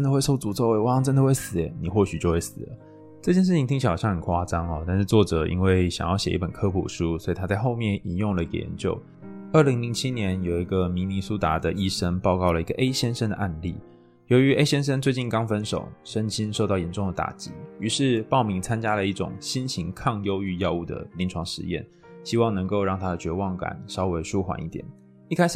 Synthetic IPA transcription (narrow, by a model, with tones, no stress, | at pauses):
ə˦nd̪ə˨˧wɪʂo˥˩ʊt͡su˧˥t͡so˥˧ʊwe˥˩ɪwɑ˥ŋʈ͡ʂə˦nd̪ə˨xwe˥˩ɪsɹ̩˨˩˦ni˨˩xwɔ˥˩ɕy˨˩t͡ɕjo˥˧ʊwe˥˩ɪsɹ̩̰˨˩˦ | ʈ͡ʂɤ˥˧t͡ɕjɛ˥˧nʂɻ̩ʰ˥˩i˨˩ŋt̪ʰi˥t͡ɕʰɕʰi˧˩˨jɑ˥˩ŋxə˨˩nkʰwa˥ʈ͡ʂɑ˥ŋɔ˨t̪a˥˧nʂɻ̩˥˧t͡swɔ˥˩ʈ͡ʂɤ˨˩ḭ˥nwe˥˩ɪɕjɑ̰˨˩ŋjɑ˥˩ɕjɛ˨˩ʔi˥˩pə˨˩nkʰɤ˥pʰṵ˨˩ʂu˥swɔ˧˥i˨t̪ʰa˥t͡sa˥˧ɪxo˥˧ʊmjɛ˥˩ni˨˩njʊ˥˩ŋlə˩i˧˥ɡə̰˧˩jɛ̰˧˦nt͡ɕjo˥˩ʊ | ə˞˥˩li˧˥ŋli˧˥ŋt͡ɕʰi˥njɛ˧˥njo˨˩ʊi˧˥ɡə˨mi˧˥ni˧˥su˥t̪a˧˥d̪ə˨ʔi˥ʂə˥ŋpɑ˥˧ʊkɑ˥˩ʊlə˩i˧˥ɡə˧˨ʔe˥ɪɕjɛ˥nʂə˥nd̪ə̰˨ʔa˥˧nlḭ˥˩ | jo˧˥ʊy˧˥ʔe˥ɪɕjɛ˥nʂ̬ə˥nt͡swe˥˧ɪt͡ɕi˥˩nkɑ˥ŋfə˥nʂo̰˨˩ʊʂə˥nt͡ɕi˥nʂo˥˧ʊt̪ɑ˥˩ʊjɛ˧˥nʈ͡ʂʊ˥˩ŋd̪ə˩t̪a̰˨˩t͡ɕi˧˥y˧˥ʂɻ̩˥˧pɑ˥˩ʊmi˧˥ŋt͡sʰa˥nt͡ɕja˥lə˨˧i˥˩ʈ͡ʂʊ̰˨˩ŋɕi˥nɕi˧˥ŋkʰɑ˥˧ŋjo˥ʊy˥˧jɑ˥˧ʊu˥˩d̪ə̰˩li˧˥nʈ͡ʂʰwɑ˧˥ŋʂɻ̩˧˥jɛ̰˥˩n | ɕi˥wɑ˥˩ŋnɤ˧˥ŋko˥˧ʊɻɑ˥˩ŋt̪ʰa˥d̪ə˨t͡ɕɥɛ˧˥wɑ˥˩ŋka̰˨˩˦nʂɑ˥ʊwe˧˥ɪʂu˥xwa̰˨˦ni˥˩t̪jɛ̰˨˩n | i˥˧kʰa˥ɪʂ